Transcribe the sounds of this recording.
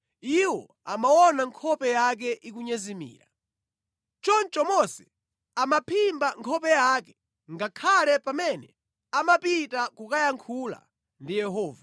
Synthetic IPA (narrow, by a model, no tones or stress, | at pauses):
iwɔ̰ | amaɔnaŋkʰɔpɛjak̬ɛʔik̬uɲɛzimḭːɾa̰ | t͡ʃɔnt͡ʃɔmɔsɛ̥ | amapʰimbaŋkʰɔpɛjakɛ̥ | ŋɡakʰalɛpamɛnɛ̰ | amapitakukajaŋkʰula̰ | ndijɛɦɔːva